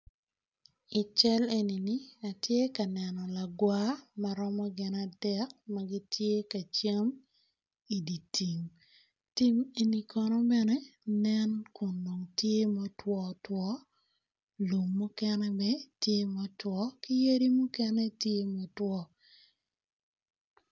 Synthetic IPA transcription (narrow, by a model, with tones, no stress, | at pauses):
i˨t͡ʃɛ˦le˨ni˨ni˦a˨tje˦ka˨nɛ˨nɔ˨la˨ɡwa˦ma˨ɾɔ˦mɔ˦ɡɪ˨na˨dɛ˦k̚ma˦ɡi˦tʰje˦ka˨t͡ʃe˦m | i˨di˨tʰi˨ŋ | ti˦me˨ni˨kʰɔ˦nɔ˦bɛ˦nɛ˦nɛ˦nku˨ndo˨ŋtje˦mo˦twɔ˦twɔ˦ | lu˨mːu˦kɛnɛ˦mɛtje˦mɔ˦twɔ˦ki˦je˦ɾi˦mu˦kɛnɛ˦tje˦mo˨twɔ˦